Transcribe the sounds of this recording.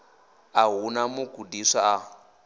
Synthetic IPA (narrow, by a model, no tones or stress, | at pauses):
aɦunamuɡʱudiʂaa